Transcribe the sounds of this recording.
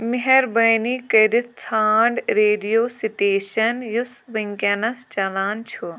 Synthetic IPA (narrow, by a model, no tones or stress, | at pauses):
mɪɦɐɾbɐjnikɐɾit͡sʰaːɳɖɾeːɖijoːsiʈeːʃɐnjusʋɐŋkɐnɐst͡ʃɐlaːnt͡ʃʰu